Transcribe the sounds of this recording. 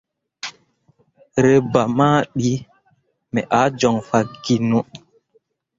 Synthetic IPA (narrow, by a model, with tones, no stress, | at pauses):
ɾe˨ba˨maː˦ɗi˦ | mɛ˨ʔa˨˦d͡ʒɔ˨ŋfa˨ɡi˨no˦